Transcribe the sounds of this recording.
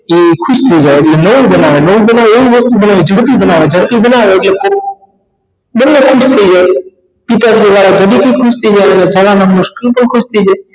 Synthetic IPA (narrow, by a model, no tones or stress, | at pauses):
ikʰuʃt̪ʰəid͡ʒajeʈlenəʋũbənaʋenəʋũbənaʋeeiʋəst̪ubənaʋid͡ʒʱəɽpibənaʋed͡ʒʱəɽpibənaʋeːʈlekʰo | bənːekʰuʃt̪ʰəid͡ʒaj | pit̪ad͡ʒliʋaɽad͡ʒəɖik̪ʰikʰuʃt̪ʰəid͡ʒajəned͡ʒʱalanamʊʃkəlpəɳkʰuʃt̪ʰəid͡ʒaj